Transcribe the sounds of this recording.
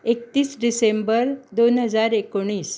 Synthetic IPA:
ek̚t̪iːsɖisembəɾd̪onɦəd͡zaɾekoɽ̃iːs

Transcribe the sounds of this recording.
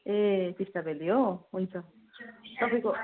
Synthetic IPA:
et̪ist̪abʱelijoɦunt͡sʰʌ | t̪ʌpʌĩko

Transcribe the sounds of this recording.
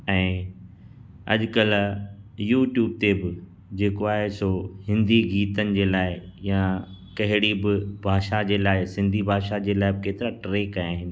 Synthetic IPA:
ɛ̃ː | ɐ̰ʄkɐl | juːʈjuːb̚t̪ebɪ | d͡ʑeːkoaːɦesohɪ̃nd̪ʱiɡiːt̪ənɪ̆d͡ʑeːlaːɪjãkɐɦɪɽibɪbʱaːʃad͡ʑeːlaːɪsɪ̃nd̪ʱibʱaːʃad͡ʑeːlaːɪbɪkeːt̪ɪɾaʈɾeːkajaːɦɪ̃nd̪

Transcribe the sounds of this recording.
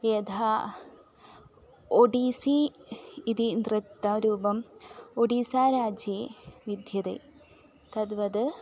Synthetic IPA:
ed̪ʰʱa | oɖisiː | d̪ind̪rɨt̪ːɐɾuːbɐmoɖisaːɾaːd͡ʑjeʋid̪ʱjɐd̪ḛː | t̪ɐd̪ʋɐd̪ɨ

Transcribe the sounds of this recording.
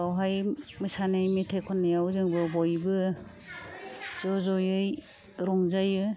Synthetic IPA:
awɦajmɯsanɯjmitʰejkʰɔnːajawzɯŋbɯbɔjbɯ | z̥ɔzɔjɯj | ɾɔŋzajɯ

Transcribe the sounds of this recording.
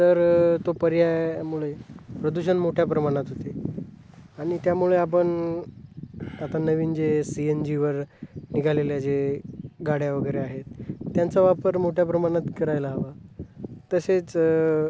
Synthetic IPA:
t̪əɾt̪opəɾjajmuɭepɾəd̪uɕ̬ənmoʈʰjapɾəmaɽ̃at̪ɦot̪e | aɽ̃it̪jamuɭeap̬əɳ | at̪anəʋiːnd͡ʑesiend͡ʑiʋəɾniɡʱaleljad͡ʑeɡaɽjaʋəɡəjɾeaɦet̪ːjant͡saʋapəɾmoʈʰjap̬ɾəmaɽ̃at̪kəɾajlaɦaʋa | t̪əset͡s

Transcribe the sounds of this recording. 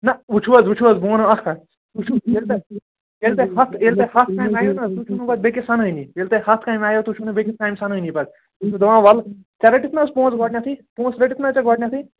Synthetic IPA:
nɐut͡ʃʰuɐzut͡ʃʰuɐzbõːnoɐkkɐ | ut͡ʃʰuelt̪e | elt̪eɦɐt̪ʰelt̪ehɐt̪ʰaːjmaːjonɐt̪ut͡ʃʰunupɐt̪̚bekisɐnəinielt̪ehɐt̪ʰkaːjmaːjot̪ut͡ʃʰunubekit̪̚ʰkaːjmsɐnənipɐd̪̚ | ut͡ʃʰud̪ɐʋãːʋɐlt͡ʃɐɾɐʈit̪ʰnaspõːt͡sɡoːʈnʲãt̪ʰipõːt͡sɾɐʈit̪ʰnat͡ʃaɡɔːʈnʲjat̪ʰi

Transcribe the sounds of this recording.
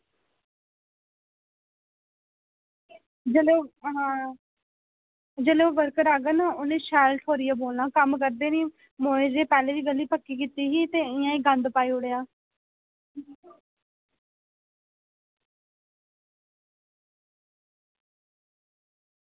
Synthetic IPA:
d͡ʒəlɦãː | d͡ʒəːleoːʋəɾkəɾaːɡənãːonẽːʃɛːlʈʰɦoːɾɪjaːboːlnãːkəmkəɾd̪eːniː | moːed͡ʒeːpɛːleːd̪iːɡəlːiːpəkːiːkiːt̪iːɦiːt̪eːɪjãːiːɡə̃nd̪paːiːʊɽejaː

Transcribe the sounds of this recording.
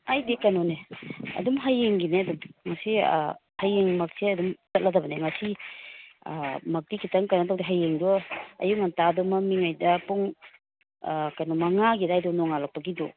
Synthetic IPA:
ajdekanɔneɐ̰dumɦajːeŋɡineɐdumŋɐsḭhajːeŋmɐk̚seɐdumsɐt̚ladɐbɐneŋasi | mɐk̚dikʰitɐŋkanɐtawdiɦajːeŋdɔɐ̰juŋantadɔmamiŋajdɐpuŋ | kajnɔmaŋaɡidajdɔnɔŋalak̚pɐɡidɔ̰

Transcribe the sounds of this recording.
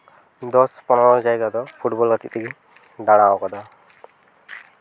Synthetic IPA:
d̪ɔspɔnɔɹɔzajɡad̪ɔpʰuʈbɔlɡat̪it̪iɡi | ɖaɽ̃aɔ̃kad̪a

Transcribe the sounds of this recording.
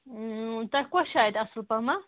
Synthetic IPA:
t̪akʷaʃajd̪asɨlpama

